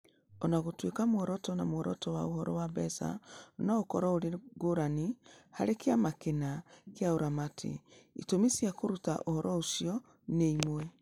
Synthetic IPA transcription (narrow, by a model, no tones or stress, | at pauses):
ɔnaɣotwekamwɔɾɔtɔnamwɔɾɔtɔwaohɔɾɔ̰wabɛsa̰onaokɔɾɔoɾeɡoɾaniha̰ɾekeamakenakjaoɾamatʰḛḭtomisjakoɾuta̰ʔohɔɾɔosiɔ | neimwɛ